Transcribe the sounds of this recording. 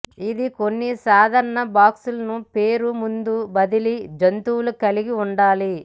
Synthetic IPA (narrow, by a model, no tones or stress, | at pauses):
id̪iko̞nːisaːd̪ʱɐɾɐɳɐbaːksulɐnupeːɾumund̪ubɐd̪ilid͡ʒɐnt̪uːlukɐliɡiuɳɖaːli